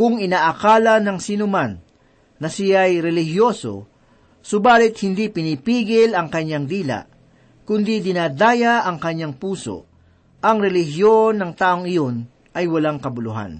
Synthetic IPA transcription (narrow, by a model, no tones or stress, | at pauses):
kʊŋɪnaːʔakaːlɐnɐŋsinʊmanː | ɐsɪjajɾɛlɪhjo̞ːso̰ | sʊbaːlɪt̪̚hɪnd̪ipɪniːpiːɡɪlɐŋkɐɲːaŋd̪iːla̰ʔ | kʊnd̪id̪ɪnaːd̪aːjaʔɐŋkɐɲːaŋpuːso̞̰ | ʔɐŋɾɛlɪɦjonːɐŋt̪aːʔoŋɪjo̞n | ʔɐjwɐlaŋkɐbʊlʊɦa̰n